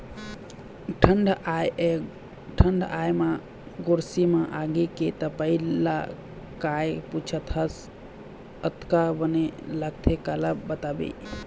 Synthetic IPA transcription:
ʈʰəɳɖaje | ʈʰəɳɖajma | ɡoɾsimaʔaɡeket̪əpəila | kajput͡ʃʰət̪ʰəs | ət̪kabəneləɡ̚t̪ʰekaləbət̪abḛ

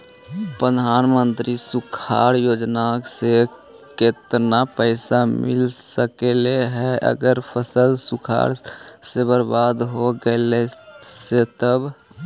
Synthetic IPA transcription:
pɾəd̪ʱaːnmənt̪ɾisukʰa̰ɾjoːd͡ʒnakse | ket̪napəɪsamɪ̰lsəkeleɦɛʔə̰ɡəɾpʰəsəlsukʰa̰ɾsebəɾbad̪ɦoɡəeleset̪əb

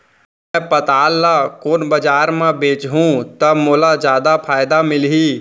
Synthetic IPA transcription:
mɛpɐt̪aːlːakoːnbɐd͡ʒaːɾmẽbeːt͡ʃɦũt̪ɐbmoːlad͡ʒjaːd̪apʰaːjd̪amɪlɦi

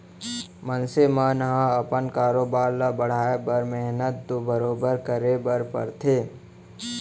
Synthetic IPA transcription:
mənsemãːnəɦãəpənkaːɾoːbaːɾlabəɽ̤aːebəɾmɛɦnət̪̚d̪obəɾoːbəɾkəɾebəɾpə̰ɾt̪ʰeː

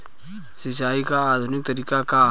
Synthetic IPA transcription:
sis̬aːikaːd̪ʱunɪk̚t̪ɐɾikaka

